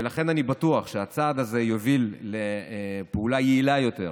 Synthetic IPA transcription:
velaχe̞nanibat̪uaχʃeat͡sad̪aze̞jovilːepeulajeilajo̞t̪e̞̰ʁ

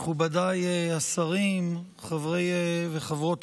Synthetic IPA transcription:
χubadajeasaʁim | χavʁejveχavʁo̞t

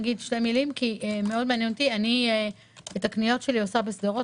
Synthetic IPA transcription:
ɡid̪ʃtemilimkiemeʔo̞d̪̚meanjent̪iani | bet̪aknijo̞t̪ʃeliosabesd̪eʁo

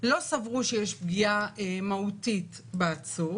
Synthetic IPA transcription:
lo̞savʁuʃejeʃb̚ɡiaemautit | beat͡su

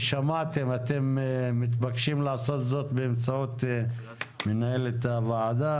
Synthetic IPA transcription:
ʃamat̪e̞mat̪e̞mːit̪bakʃimlaaso̞t̪zo̞t̪beːmt͡saot̪ | menaelet̪avaad̪a

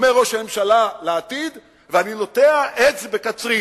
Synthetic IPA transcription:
meʁo̞ʃhame̞mʃalaleːt̪id̪ | veanino̞teaʔet͡sbekat͡sʁi

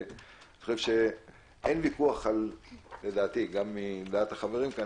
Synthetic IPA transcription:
ni̥χoʃevʃe | ʔenvikuaχalːe̞d̪aːt̪iɡamːid̪aat̪haχaveʁimka

